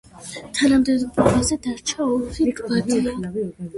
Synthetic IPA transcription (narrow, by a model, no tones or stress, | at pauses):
t̪ʰanamd̪ɛd̪ʰɔazɛd̪aɾt͡ʃʰaɔfiɡɡad̪